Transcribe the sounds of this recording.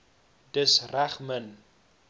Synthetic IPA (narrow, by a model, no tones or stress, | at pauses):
d̥əsræχmən